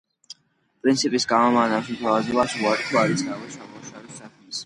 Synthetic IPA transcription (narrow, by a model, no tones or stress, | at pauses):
pʼɾint̪sʰipʼisɡamamanakʃit̪ʰavazɔbaʃuaɾit̪ʰuaɾisʰavɛsamuʃavɛsakʰmis